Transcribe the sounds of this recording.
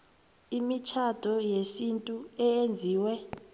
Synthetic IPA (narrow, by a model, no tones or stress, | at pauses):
imit͡ʃʰad̥ʱɔjesintʼuɛjend͡zʱiːwɛ